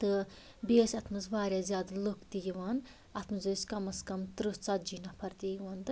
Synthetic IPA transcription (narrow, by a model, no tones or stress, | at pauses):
t̪ɨ | beːsʲɐt̪ʰmɨzbaːɾʲjaːzʲjaːd̪ɐlokt̪ijiʋɐn | ɐt̪ʰmɨzɨsʲkɐmɐskɐmt̪ɾɨst͡sɐt̪̚d͡ʒiːnapʰɐɾt̪ijiʋɐːnd̪ɨ